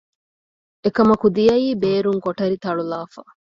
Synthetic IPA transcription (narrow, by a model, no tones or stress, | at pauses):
ekɐmɐkud̪ijɐiːbeːɾuŋkoʈɐɾit̪ɐɭulaːfɐ̰